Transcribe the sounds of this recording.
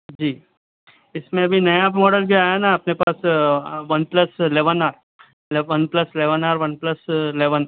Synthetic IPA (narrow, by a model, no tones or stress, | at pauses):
d͡ʒiː | ɪsmẽɐbʱinɐjamɔːɖəlbʱiaːjanaɐpnepaːsʋɐnplɐsleːʋənaːɾ | leʋɐnplɐsleːʋənaːɾʋɐnplɐsleːʋən